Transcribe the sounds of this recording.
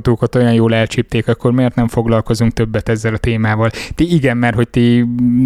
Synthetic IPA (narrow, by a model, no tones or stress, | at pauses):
t̪oːkɒt̪o̞jɒnjoːlɛlt͡ʃip̚t̪eːkɒkːo̞rmeːrt̪nɛɱfo̞ɡlɒlko̞zuŋk̚t̪ø̞bːɛt̪ɛzːɛlɒt̪eːmaːvɒlt̪iiɡɛnmɛrɦo̞c̚t̪i